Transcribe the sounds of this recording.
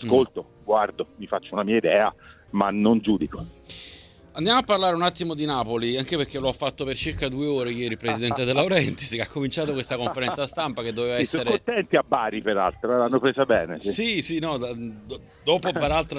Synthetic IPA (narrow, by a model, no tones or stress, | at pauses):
askolt̪o | ɡward̪omifat͡ʃːounamiːaid̪ɛːa̰ | manond͡ʒuːd̪iko | and̪jamoapːarlaːɾeunat̪ːimod̪inaːpoliaŋkeperk̟ːeloafːat̪ːopert͡ʃirkad̪uːeoːɾejɛːɾipɾezid̪ɛnt̪ed̪elːaoɾɛnt̪iskeakːomint͡ʃaːt̪okwest̪akoɱfeɾɛnt̪sast̪ampaked̪ːoveːvaɛsːoːeɾkont̪ɛnt̪iabːaːɾipeɾa̰lt̪ɾoanːopɾeːzabɛːnessisinɔa | d̪ɔːpopeɾalt̪ɾo